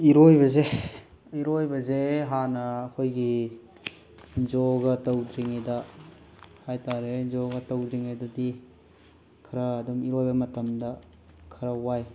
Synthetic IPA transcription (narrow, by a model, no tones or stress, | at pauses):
iɾojbɐze | iɾojbɐzeɦanɐːkʰojɡi | d͡ʒɔɡɐtɐwdɾiŋadɐ | hajtaɾezɔɡɐtɐwdɾiŋajdɐdi | kʰɐɾɐːdumiɾojbɐmɐtɐmdɐ | kʰɐɾɐwaj